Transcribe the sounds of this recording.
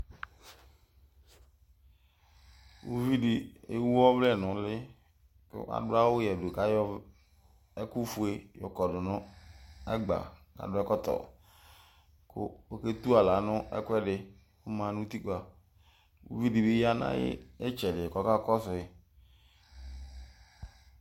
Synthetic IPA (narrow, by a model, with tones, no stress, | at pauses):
wu˦vi˦di˨e˦wu˦ɔ˦vlɛ˦˨nʊ̃˨˦lɪ˦ | kɪ̰˦ʔa̰˨dʊ˦a˦wo˦jɛ˨do˨ka˦jɔ˦ | ɛ˦ku˦fu˦e˦jɔ˨kɔ˨ɖʊ˨nɔ̃˦ɛ˦ɡ͡ba̰˨ka̰˨dʊ˦ɛ˦kɔ˦t̪ɔ̰˨ | kʊ̰˦o˦ke˦t̪u˦a˨la˨nʊ̃˦ʔɛ̰˦kʊ˦ɛ˦ɖɪ˨ | wo˦mã˨˦nũ˦t̪i˦ka˨ | wṵ˦vi˦di˨be˦ja˦nã̰˦jɪ̰˦e˦t͡ʃɛ˨ɖɪ˨kɔ˦ka˦kɔ˦sʊ˨e˨